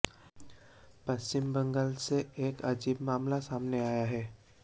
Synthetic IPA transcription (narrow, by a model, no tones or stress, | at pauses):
pɐst͡ʃɪmbɐ̃ŋɡəlseeːkɐd͡ʒiːbmaːmlasaːmneaːjaɦɛː